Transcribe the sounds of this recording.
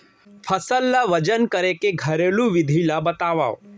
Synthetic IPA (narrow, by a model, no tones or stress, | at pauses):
pʰəsəlːaʋɐd͡ʒənkəɾekeɡʱɐɾeːlũʋɪd̪ʱilabɐt̪aːʋao̰